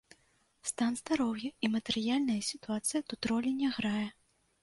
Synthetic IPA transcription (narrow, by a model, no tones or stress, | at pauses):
st̪anzd̪aɾɔwjɐimɐt̪ɛɾɨjalʲnɐjɐsʲit̪uat̪sɨjɐt̪ut̪ɾɔlʲinʲaɣɾajɛ